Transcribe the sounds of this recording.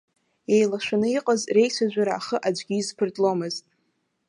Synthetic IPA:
ejlaʃʷᶣanɨiqʼazre̞jsʷʰad͡ʒʷaɾaːχəʔad͡ʒʷɡʲiːzpʰɨrtʼlomɨztʼ

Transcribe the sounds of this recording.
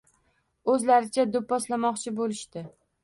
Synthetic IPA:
ɵzlaɾɪt͡ʃʰad̪ʊpːɒslamɒqt͡ʃʰɪbolɪʃt̪ɪ

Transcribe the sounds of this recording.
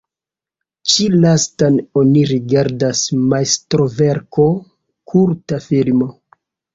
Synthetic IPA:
t͡ʃilastano̞niɾiɡaɾdasmaestɾoveɾkʰo̞ | kʰuɾtafilmo

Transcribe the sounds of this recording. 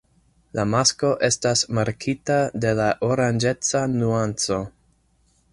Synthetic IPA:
lamasko̞ʔe̞stasmaɾkʰitade̞laʔoɾand͡ʒe̞t͡sanuant͡so̞

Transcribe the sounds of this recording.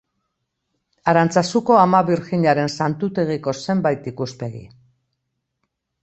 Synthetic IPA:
aɾant͡sasuko̞amaβiɾxiɲaɾe̞nsant̪ut̪e̞ɣ̞iko̞se̞mbajt̪ikuspe̞ɣḭ

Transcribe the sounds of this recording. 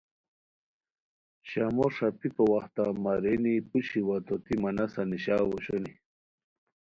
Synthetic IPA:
ɕamoʂapipowaxt̪amaɾenipuɕiwat̪ot̪imɐnasaniɕaːwoɕoni

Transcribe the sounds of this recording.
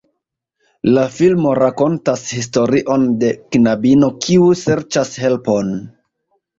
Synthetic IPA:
lafilmo̞ɾako̞ntashis̬to̞ɾiʔo̞nde̞knabino̞kʰiuse̞ɾt͡ʃashe̞lpo̞n

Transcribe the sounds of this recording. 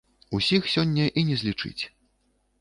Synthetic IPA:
usʲixsʲɔnʲːɐʔinʲɛzʲlʲit͡ʂɨ̰t͡sʲ

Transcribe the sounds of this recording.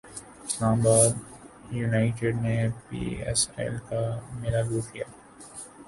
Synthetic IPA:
ɪslaːmbaːd̪ | juːnaːɪʈeɖnepḭːɛ̰sɛ̰lkamɪlaluːkijaː

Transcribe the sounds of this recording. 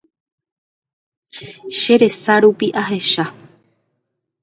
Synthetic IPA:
ʃe̞ɾe̞saɾupiʔaɦe̞ʃa

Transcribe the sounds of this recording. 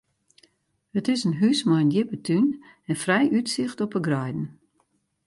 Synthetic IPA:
ətɪsənɦysmɔjənjɪpətʰyn | ɛnfrɛjʔytsɪxtɔpəɡrɔjdn̩

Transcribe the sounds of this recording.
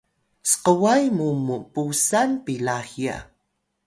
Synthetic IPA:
sə̥qəwajmumupusanpilahia̰

